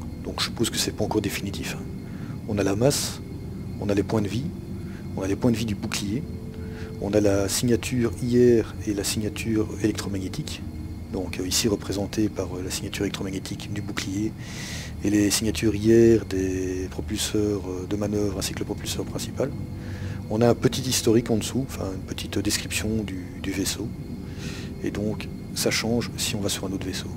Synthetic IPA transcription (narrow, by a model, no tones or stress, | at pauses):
d̪ɔ̃kʒ̥ə̥pozkə̥sɛpaɑ̃kɔʁd̪efinit̪ʰifɛ̃ | ɔ̃nalamas | ɔ̃nalepwɛ̃d̪əvi | ɔ̃nalepwɛ̃d̪əvid̪ybuklije | ɔ̰̃nalasiɲat̪ʰyːʁijɛʁelasiɲat̪ʰyːʁelɛkt̪χɔmaɲet̪ʰik | d̪ɔ̃kisiʁəpχezɑ̃t̪epaʁølasiɲat̪yʁelɛkt̪χɔmaɲet̪ʰikd̪ybuklije | elesiɲjat̪ʰyʁijɛʁd̪epχɔpylsœːʁød̪əmanœvʁɛ̃si̥kələpχɔpylsœʁpχɛ̃si̥pal | ɔ̃naɛ̃pət̪it̪ist̪ɔʁikɑ̃d̪əsuɑ̃fɛ̰̃ynpət̪ʰit̪d̪eskχipsjɔ̃d̪y | d̪yveso | ḛd̪ɔ̃k | saʃɑ̃ʒsiɔ̃vasyʁɛ̃not̪χveso